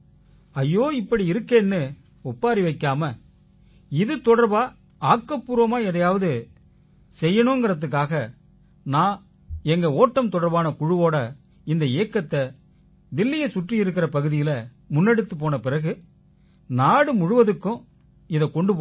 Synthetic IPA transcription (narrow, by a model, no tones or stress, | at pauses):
ɐjːoːɪpːɐɽiɪɾɯkːeːnːɯ | ɔpːaːɾiʋɐɪkːaːmɐ | ɪðɯt̪ɔɽɐɾbaː | aːkːɐpːuːɾɐmaːɛðɐjaːʋɐðɯ | sɛjːɐnʊ̃ŋɡɪɾɐt̪̬ːɯk̬ːaːɣɐ | nãː | ɛŋɡɐoːʈːɐmt̪ɔɽɐɾbaːnɐkʊɻɯʋoːɽɐ | ɪnd̪ɐeːkːɐt̪ːɐ | d̪ɪlːɪjɐsʊʈrɪjɪɾɯkːɪɾɐpɐɣɯðɪjɪlɐ | mʊnːɛɽɯt̪ːɯpːoːnɐpɪrɐɣɯ | naːɽɯmʊɻʊʋɐðɯkːʊ̃ | ɪðɐkɔɳɖɯpo